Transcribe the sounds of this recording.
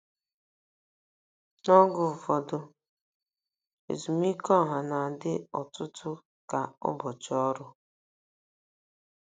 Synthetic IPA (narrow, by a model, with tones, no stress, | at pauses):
nɔ˦ɡʊ˨fɔ˨dʊ˦ | ḛ˨zu˨m˦i˦kɔ˦˨ɦa˨na˨dɪ˦ɔ˨tʊ˦tʊ˦ | ka˨ʊ̰˦bɔ˨t͡ʃɔ˦ɾʊ˦